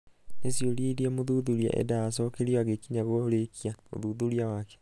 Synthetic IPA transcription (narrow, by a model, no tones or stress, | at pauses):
nesioliɾiamoðuðuɾia̰ʔɛ̰daːsɔːkeɾioaɣekiɲaɣolekiao̰ðuðuɾiawake̥